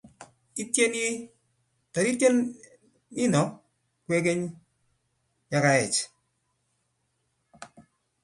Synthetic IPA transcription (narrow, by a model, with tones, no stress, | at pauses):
i˦tje˦nji˦ | ta˨ɾi˦tje˦n | ɪ˦nɔ˨˦ | kwe˦ke˦ɲ | ja˦ka˨ɛ˨t͡ʃ